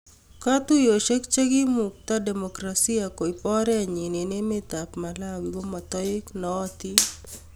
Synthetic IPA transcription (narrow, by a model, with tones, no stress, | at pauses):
ka˦t̪u˦jo˨ʃe˦kt͡ʃe˦ɡi˦mu˨k̚t̪a˦de˨mo˨kɾasi˦a˨ko˨i˨pɔ˦ɾɛ˦˨ɲi˨ne˨ne˦me˦t̪a˨pma˨la˦wi˨ɡo˦ma˨t̪ɔ˦ɪ˦knɔː˨˦t̪i˦